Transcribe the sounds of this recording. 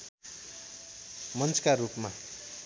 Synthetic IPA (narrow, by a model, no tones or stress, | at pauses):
mʌnt͡skaɾupma